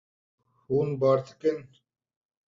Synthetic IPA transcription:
huːnbaːɾt̪ʰi̥ken

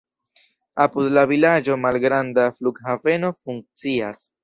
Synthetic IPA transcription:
apud̪lavilad͡ʒo̞malɡɾandafluɡhave̞no̞fuŋk̚t͡sias

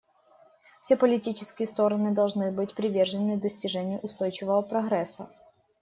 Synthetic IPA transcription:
fsʲepəlʲɪtʲit͡ɕɪskʲɪjəst̪o̞ɾənɨd̪ɐlˠʐnɨbɨtʲpɾʲɪvʲerʐənɨd̪əsʲtʲɪʐɛnʲɪjʊʔʊst̪ojt͡ɕɪvəvəpɾɐɣɾɛsə̰

